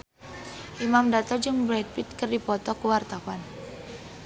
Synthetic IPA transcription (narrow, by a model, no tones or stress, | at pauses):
ʔimamdat̪ɔd͡ʒɨŋbɾɛd̪̚fit̪̚kərdipɔt̪ɔkəwart̪awan